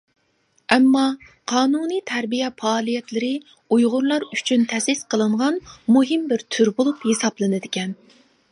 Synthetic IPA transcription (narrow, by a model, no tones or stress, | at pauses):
ɛmːɑ | qʰɑːnunit̪ʰæɾbijɛfɑːlˠijɛt̪lɪɾɪ | ujʁʊɾlˠɑɾyt͡ʃʰynt̪ʰɛsɪsqʰəlˠɨɴʁɑnmuɦɨmbɪɾt̪ʰyɾbolˠuphesɑplˠɨnɨd̪ɪkʲɛn